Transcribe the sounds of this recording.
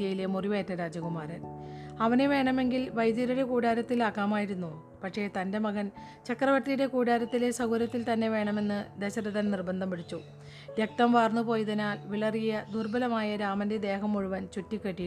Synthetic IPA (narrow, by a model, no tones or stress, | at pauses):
jɐjilemuriʋe̞ːtːɐɾaːd͡ʑɐɣumaːɾɐnɐʋɐneʋe̞ːɳɐme̞ŋɡilʋɐjd̪jɐɾuɽe̞kuːɽaːɾɐt̪ːilaːkːaːmaːjiɾunːu | pɐʈʂe̞ːt̪ɐnde̞mɐɣɐn | t͡ɕɐkrɐʋɐrʈ̪ːijuɾe̞kuːɽaːɾɐt̪ːile̞sɐɣuɾɐt̪ːilt̪ɐnːe̞ʋe̞ːɳɐme̞nːɨd̪eɕɐɾɐðɐnnirbɐnd̪ʱɐmpiɽit͡ɕːu | ʋjek̚t̪ɐmʋaːrnupo̞ːjðɐnaːlʋiɭɐrijɐd̪urbɐlɐmaːjɐɾaːmɐnded̪e̞ːɦɐmuɻuʋɐnt͡ɕutːikːeʈːij